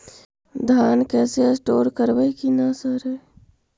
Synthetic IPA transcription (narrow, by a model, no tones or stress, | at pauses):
d̪ʱankɛːseəsʈoːɾkəɾbəikinasəɾɛ